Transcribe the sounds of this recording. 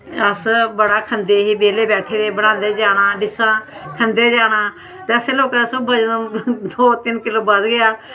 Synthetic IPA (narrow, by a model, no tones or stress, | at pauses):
əsbəɽaːkʰənd̪eːɦiːbeːleːbɛːʈʰeːd̪eːbəɽ̃ãːnd̪eːd͡ʒaːɽ̃aːɖɪsãːkʰənd̪eːd͡ʒaːɽ̃aː | t̪ːɛːəseːloːkãːsəbəd͡ʒd̪oːt̪ɪnkɪloːbəzɡɪjaː